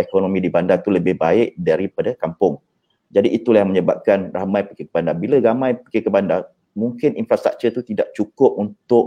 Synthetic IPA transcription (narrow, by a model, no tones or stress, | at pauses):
ekonomĩdibandat̪uləbɪhbaɪʔ̚daɾipadakampʊŋ | d͡ʒadiʔit̪ulahmə̃ɲəba̰p̚kanramãjpikəkəbandabilaɡamãjpikəkəbanda | muŋkɪninfɾast̪ɾa̰k̚t͡ʃət̪ut̪idaʔt͡ʃukʊp̚unt̪ʊʔ